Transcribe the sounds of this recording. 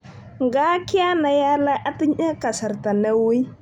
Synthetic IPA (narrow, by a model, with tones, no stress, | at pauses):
ŋɡa˦kɪ˦a˦na˨ja˦la˦ʔa˦ti˦ɲa˦ka˨sa˨ɾta˨na˦wi˦